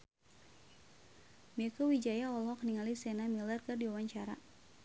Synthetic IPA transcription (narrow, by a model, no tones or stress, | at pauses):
mɛkɔwid͡ʒajaɔlɦɔkniŋalisɛnamilərkɨrdiwawaɲt͡ʃaɾa̰